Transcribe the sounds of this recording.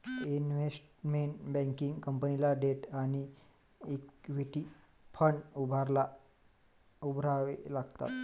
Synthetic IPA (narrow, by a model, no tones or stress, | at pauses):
inʋesʈmeɳʈbɛ̃ŋkiŋɡkəmpənilaɖeʈaɽ̃i | ekʋiʈi | fʰəɳɖubʱaɾla | ubʱɾaʋelaɡt̪a̰t̪